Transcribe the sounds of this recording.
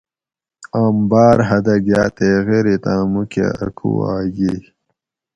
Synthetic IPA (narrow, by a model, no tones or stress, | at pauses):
aːmbaːɾɦɐd̪ɐɡjaːt̪eːɣeɾit̪ãːmukḛɐ̰kʰṵaːɡi